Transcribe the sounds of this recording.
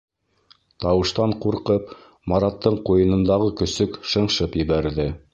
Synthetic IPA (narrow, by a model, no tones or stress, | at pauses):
t̪ɑwɤ̆ʃt̪ɑɴquɾqɤp | mɑɾɑt̪ːɤɴqujɤ̆nɤ̆nd̪ɑʁɤkɵ̆sɵkʃɤ̆ɴʃɤpjɘ̆βæɾðɘ